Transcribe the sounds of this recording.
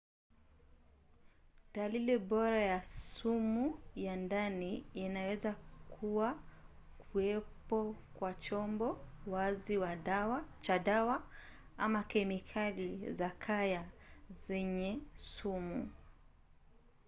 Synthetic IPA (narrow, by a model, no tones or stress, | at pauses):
daliliɓɔɾajasumujandaniːnawɛzakʰuwakuɛpɔkwat͡ʃɔmbɔwaziwawat͡ʃaɗawa | amakɛmikʰalizakʰajazɛɲɛsumu